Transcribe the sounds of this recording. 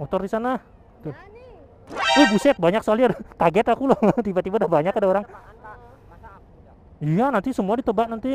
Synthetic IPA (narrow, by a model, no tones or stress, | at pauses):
mot̪ɔrdisana | t̪u | ohbusɛt̪̚baɲak̚səkaliadkaɡɛt̪akulɔt̪ibat̪ibadahbaɲakadaoɾaŋ | ijanant̪isəmuadit̪əbaʔ̚nant̪i